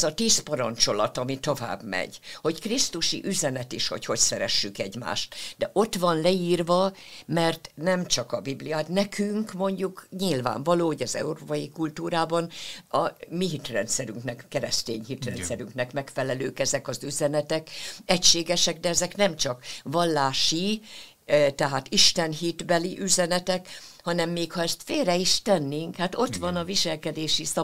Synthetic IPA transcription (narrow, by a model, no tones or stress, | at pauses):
zɒt̪iːspɒɾɒnt͡ʃo̞lɒt̪ɒmit̪o̞va̰ːbmɛ̰ɟho̞ckrist̪uʃḭʔyzɛnɛt̪iʃhocho̞csɛɾɛʃːykɛɟma̰ːʃt̪d̪ɛʔo̞t̪ʋɒnlɛiːrvɒmɛrt̪nɛmt͡ʃɒkɒbiblijɔt̪nɛkʰyŋkmo̞ɲɟukɲilva̰ːɱvɒloːho̞ɟɒzɛ̰uɾoːpɒjikult̪uːɾaːbɒnɒmiɦit̪rɛnt̪sɛɾyŋknɛkkɛɾɛst̪eːɲhit̪rɛnt̪sɛɾyŋknɛkmɛkfɛlɛløːkɛzɛkɒzyzɛnɛt̪ɛkɛcʃeːɡɛʃɛkd̪ɛɛzɛknɛmt͡ʃɒkʋɒlːaːʃi | t̪ɛɦaːt̪iʃt̪ɛnɦit̪bɛliʔyzɛnɛt̪ɛkhɒnɛmːeːkhɒɛst̪feːlrɛiʃt̪ɛnːeːŋkhat̪o̞t̪ʋɒnɒviʃɛlkɛd̪eːʃisɒ